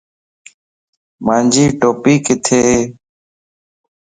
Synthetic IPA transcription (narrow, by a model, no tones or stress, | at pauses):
maːnd͡ʒiːʈoːpiːkɪt̪ʰeːɦeː